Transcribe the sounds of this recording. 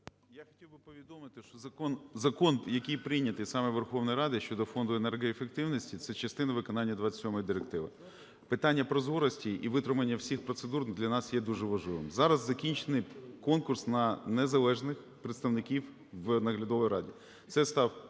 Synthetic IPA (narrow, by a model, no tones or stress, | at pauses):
jɑxɔ̥tʲiwbɪpɔʋʲid̪ɔmɪt̪ɪʃt͡ʃɔɐkɔnzɐkɔnjɐkʲijpɾɪjnʲɐt̪ɪsɑmɛʋerxɔwnɔjɾɑd̪ɪʃt͡ʃɔd̪ɔfɔnd̪ʊenɛrɦefekt̪ɪwnɔsʲtʲit̪sɛt͡ʃɐst̪ɪnɐʋɪkɔnɑnʲːɐd̪ʋɑt̪sʲɪ̥tʲsʲɔmɔjd̪ɪɾek̚t̪ɪʋɪ̰ | pɪt̪ɑnʲːɐpɾɔzɔɾɔsʲtʲiʔiʋɪt̪ɾɔmɐnʲːɐwsʲixpɾɔt̪sed̪urd̪lʲɐnɑsjɛd̪uʒɛʋɐʒlˠɪʋɪ̰mzɑɾɐzːɐkʲinʲt͡ʃenɪjkɔnkʊrsnɐnezɐlˠɛʒnɪx | pɾet̪st̪ɐʋnɪkʲiw | ʋnɐɦlʲɐd̪ɔʋɔjɾɑdʲi | t̪sɛst̪ɑw